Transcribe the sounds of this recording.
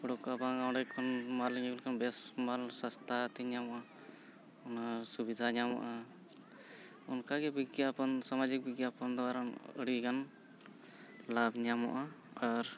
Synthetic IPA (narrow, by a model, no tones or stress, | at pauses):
bɔɽɔkabaɡawɖɛkʰɔnmalɲɡulkanbɛsmalsast̪ʰat̪iɲamɔʔa | ɔnasubid̪ʱaɲamɔ̰ʔa | ɔnkaɡɛbiɡjapɔnsamad͡ʒik̚biɡjapɔnd̪ɔaɾanə̰ɽikan | labɲamɔ̰ʔaaɾ